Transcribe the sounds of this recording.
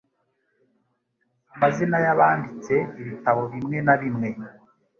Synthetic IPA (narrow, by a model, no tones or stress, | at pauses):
amazinajaβaːndit͡se̞iβitaβo̞βimŋe̞naβimŋe̞